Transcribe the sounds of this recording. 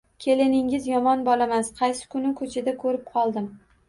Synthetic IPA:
kʲʰe̞lɪnɪŋɪzjɒmɒnbɒlamasqʰɑjsɪ̥kʰʊnɪkʰɵt͡ʃʰɪd̪akʰɵɾɪp̚qʰɒlˠd̪ɪm

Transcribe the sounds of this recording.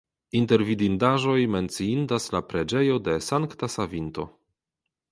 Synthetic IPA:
inte̞ɾvidindaʒo̞jme̞nt͡siindaslapɾed͡ʒejo̞de̞saŋktasavinto̞̰

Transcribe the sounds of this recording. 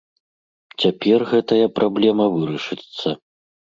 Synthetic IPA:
t͡sʲapʲɛrɣɛt̪ɐjɐpɾablʲɛmɐvɨɾɐʂɨt̪sːɐ

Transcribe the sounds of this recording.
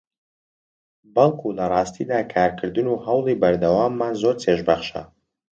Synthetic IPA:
bɐlˠkʰulɐrˤɑːst̪ʰid̪aːkʰaːɾkʰɨɾd̪ɨnuhɐwlˠiːbɐɾd̪ɐwaːmːanzoɾt̪ʰeʒbɐχʃɐ̰

